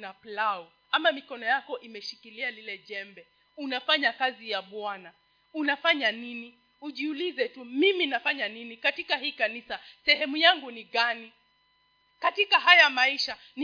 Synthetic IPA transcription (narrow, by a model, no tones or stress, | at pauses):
naplaɔ | amamikɔnɔjakɔʔimɛʃikilialilɛʄɛmbɛ | unafaɲakazijaɓwana | unafaɲanini | uʄiulizɛtumiminafaɲaninikatikaɦiːkanisasɛhɛmujaŋɡuniɠani | katikaɦajamaiʃa | n